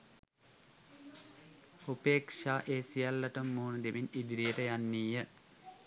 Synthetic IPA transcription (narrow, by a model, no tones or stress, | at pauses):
upeːkʂaːʔeːsijalːɐʈəmːuːnəd̪eʋinid̪iɾijəʈəjanːiːjə